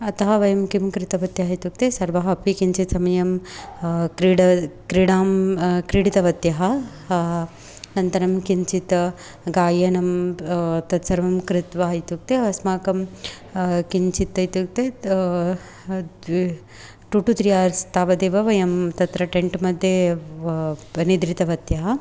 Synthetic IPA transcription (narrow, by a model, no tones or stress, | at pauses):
ɐt̪ɐɦɐʋɐjɐmkimkɾɪt̪ɐʋɐt̪jɐɦɐit̪uk̚t̪esɐɾʋɐɦɐpikiɲt͡ʃit̪sɐmɐjɐm | kɾiɽɐkɾiɽaːmkɾiɽit̪ɐʋɐt̪jɐɦɐ | nɐnt̪ɐɾɐmkiɲt͡ʃit̪ɐ | ɡaːjɐnɐm | t̪ɐt̪sɐɾʋɐmkɾɪt̪ʋaːɐjt̪uk̚t̪eʋɐsmaːkɐm | kiɲt͡ʃit̪ːɐjt̪uk̚t̪e | ʈuʈut̪ɾijaːɾst̪aːʋɐd̪eːʋɐʋɐjɐmt̪ɐt̪ɾɐʈeɳʈmɐd̪ʱje | nid̪ɾit̪ɐʋɐt̪jɐɦɐ